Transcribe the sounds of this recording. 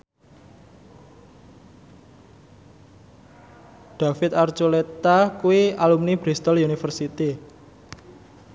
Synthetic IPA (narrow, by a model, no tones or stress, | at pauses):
ɖ̪̥a̤fɪt̪art͡ʃulet̪akuialumnibɾist̪ɔlunifərsit̪i